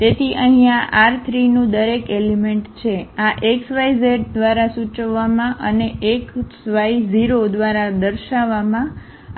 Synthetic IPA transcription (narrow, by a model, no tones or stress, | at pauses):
t̪et̪ʰiʔəɦĩaʔaɾt̪ʰɾinũd̪əɾekelemeɳʈt͡ʃʰeaʔeksʋajzeɾd̪ʋaɾasut͡ʃəʋːamãʔəneeksʋajziɾod̪ʋaɾad̪əɾʃaʋamã